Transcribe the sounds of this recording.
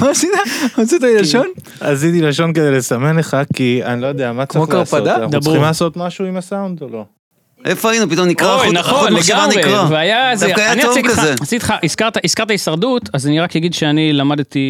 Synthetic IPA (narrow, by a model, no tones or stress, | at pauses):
masit̪amat͡sit̪ailaʃon | a̰zit̪ilaʃo̞nked̪ejlesamenleχakianilojod̪eamat͡samokaʁpad̪ad̪abimalaso̞t̪maʃuimasaund̪olo̞ | ʔefoainupit̪omnikʁanaχoonleɡaomʁeaveajazajaniasiteasit̪i̥χaʔiskaʁt̪aʔiskaʁt̪aisaʁdut̪azaniʁakjaɡid̪ʃeanilamad̪t̪i